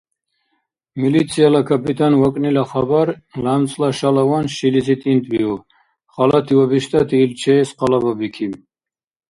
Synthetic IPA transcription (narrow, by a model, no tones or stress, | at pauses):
milit̪sʰialakʰapʰit̪ʰanwakʼnilaχabaɾlamt͡sʼlaʃalawanʃilizit̪ʼint̪ʼbiu | χalat̪ʰiwabiʃt̪ʼat̪ʰiːlt͡ʃʰɛːsqʼalababikʰi